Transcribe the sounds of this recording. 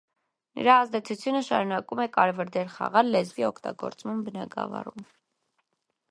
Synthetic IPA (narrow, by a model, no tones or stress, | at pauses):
nə̰ɾɑɑzd̪ɛt͡sʰut͡sʰjunəʃɑɾunɑkumɛkɑɾɛvəɾd̪ɛɾχɑ̰ʁɑlːɛzviɔkʰt̪ɑ̰ɡɔ̰ɾt͡smɑmbənɑɡɑ̰vɑ̰ɾum